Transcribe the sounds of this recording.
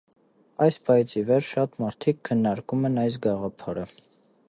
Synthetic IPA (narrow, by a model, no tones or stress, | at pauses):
ɑjspʰɑit͡sʰivɛɾʃɑt̪mɑɾt̪ʰikʰːənːɑɾkumɛnɑjs̬ɡɑʁɑpʰɑɾə